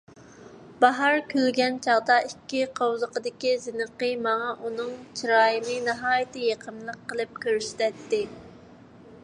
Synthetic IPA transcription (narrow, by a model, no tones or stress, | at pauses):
bɑɦɑɾkʲʰølɡʲɛnt͡ʃʰɑʁd̪ɑʔikʲːiqʰowzəqəd̪ɪkʲizɪnɨqəmɑŋɑʔunɨŋt͡ʃʰiɾɑːjɨnɨnɨɦɑːjɪt̪ɨjeqʰəmlˠəqːəlˠɨp̚kʲøɾsy̥t̪ɛt̪ːɪ